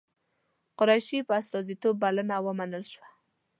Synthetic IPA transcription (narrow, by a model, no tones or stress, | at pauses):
qʊɾajʃipəast̪ɔzit̪obːalənawəmanəlʃwa